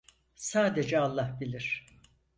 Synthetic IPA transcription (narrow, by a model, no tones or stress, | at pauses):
saːd̪ed͡ʒɛalˠːahbilʲiɾ̥